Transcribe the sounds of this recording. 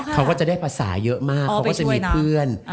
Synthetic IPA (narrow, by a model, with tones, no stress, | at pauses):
kʰa˦˥wkɔː˥˩t͡ɕa˨˩da˥˩jpʰaː˧sa̰ː˩˦jɤ˦˥ʔmaː˥˩k̚ʰːa˦˥ɔː˥˩t͡ɕa˨miː˧˩pʰɯ˥˩ən